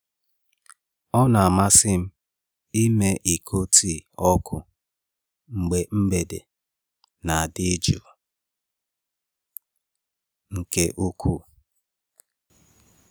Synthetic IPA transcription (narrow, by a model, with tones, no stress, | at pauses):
ɔ˦na˨a˨ma˦sɪ˦m̩˦ | i˦me˦ʔi˨kʰo˦ti˦˨ɔ˦kʰʊ˨ | ŋ͡m̩˨ɡ͡be˨ŋ͡m̩˦ɡ͡be˨dḛ˨ | na˨a˨dɪ˦d͡ʒṵ˨ | ŋ̩˨ke˦ʔo˦kʰu˦˨